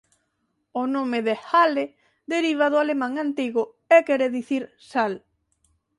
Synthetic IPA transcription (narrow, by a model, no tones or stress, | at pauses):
onomeðehale | d̪eɾiβ̞aðʊalemãŋant̪iɣʊ | ekɛɾeðiθiɾ | sal